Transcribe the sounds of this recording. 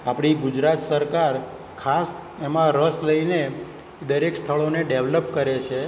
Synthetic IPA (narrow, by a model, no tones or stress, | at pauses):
apɽ̃iɡud͡ʒɾat̪səɾkaɾ | kʰas | emãɾəsləine | d̪əɾekst̪ʰəɭoneɖeʋləpkəɾet͡ʃʰe